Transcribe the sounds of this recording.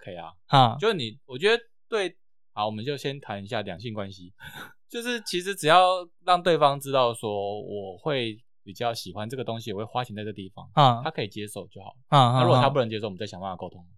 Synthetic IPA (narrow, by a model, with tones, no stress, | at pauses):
kʰe˧˥ɪa̰˨a˥˩o˥ʊʂɻ̩˥˩ni˨˩wɔ˨˩t͡ɕɥɛ˧˥d̪ə˧˦ | t̪we˥˧ɪ | a˧˩wɔ˨˩mə˦nt͡ɕjo˥˩ʊɕjɛ˦˥nt̪ʰa˧˥ni˧˥ɕja˥˩ljɑ̰˨˩ŋɕi˥˩ŋkwa˦nɕi˦t͡ɕjo˥˧ʊʂɻ̩˥˩t͡ɕʰi˧˥ʂ̬ɻ̩˧˥ʈ͡ʂɻ̩˨˩jɑ˥˧ʊɻɑ˥˧ŋt̪we˥˩ɪfɑ˥ŋʈ͡ʂɻ̩˥t̪ɑ˥˩ʊswɔ˥wɔ˨˩xwe˥˩ɪ | pi˨˩t͡ɕjɑ˥˩ʊɕi˨˩xwa˦nʈ͡ʂɤ˥˩ɡə˩t̪o˥ŋɕ̬i˨wɔ˨˩we˥˩xwa˦˥t͡ɕʰi˧˥t͡sa˥˧ʈ͡ʂːɤ˥˩˨t̪i˥˩fɑ̰˦ŋ˥˩t̪ʰa˥kʰɤ˧˥i˨˩t͡ɕjɛ˦ʂo˥˧ʊt͡ɕjo˥˩ʊxɑ̰˨˩˦a˥˧˥ɻu˥ɡt̪ʰa˥pu˥˩nə˧˦ŋt͡ɕjɛ˥o˥˩˨jɑ˨˩wa˥˩a˨˩ko˥ʊt̪ʰʊ˥ŋ